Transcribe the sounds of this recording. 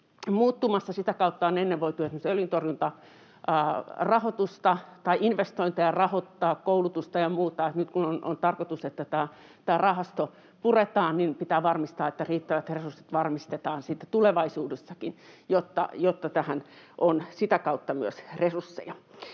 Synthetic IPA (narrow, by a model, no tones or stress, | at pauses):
muːt̪ːumɑsːɑsit̪ækɑut̪ːɑonenːeʋʋoit̪uøet̪nusolint̪orjunt̪ɑ | rɑhot̪ust̪ɑt̪ɑiʔinʋest̪oint̪ɑjɑrɑhot̪ːɑːkkoulut̪ust̪ɑjɑmuːt̪ɑet̪nyt̪kunono̰nt̪ɑrkot̪uset̪ːæt̪æː | t̪æːrɑhɑst̪o | puret̪ɑːnninpit̪æːʋɑrmist̪ɑːet̪ːæriːt̪ːæʋæt̪resursit̪ʋɑrmist̪et̪ɑːnsit̪ːæt̪uleʋɑisuːdesːɑkinjot̪ːɑ̰jot̪ːɑt̪æhæn | ʔonsit̪ækɑut̪ːɑmyøsresursːḛjɑ